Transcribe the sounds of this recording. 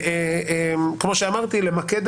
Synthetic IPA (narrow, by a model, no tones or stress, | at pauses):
eemkmo̞ʃeamaʁt̪ilemaked̪